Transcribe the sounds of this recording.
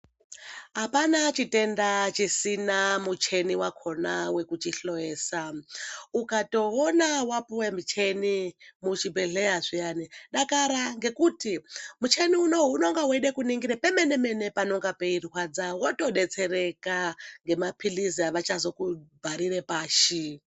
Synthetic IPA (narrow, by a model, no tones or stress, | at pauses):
ɦapanat͡ʃitendat͡ʃisinamut͡ʃʰeniwakʰonawekut͡ʃiɬojeːsa | ukatoonawapuwemit͡ʃʰenimut͡ʃibeɮejaʐijaniɗakaɾaŋɡe̞kutimut͡ʃʰeniuno̞ɦunoŋɡaɦweɗekuniŋɡiɾɛpemenemenepanoŋɡapeirwad͡zawotoɗet͡sʰeɾekaŋɡemapʰiliziaʋat͡ʃazokubʱaɾiɾepaːʃi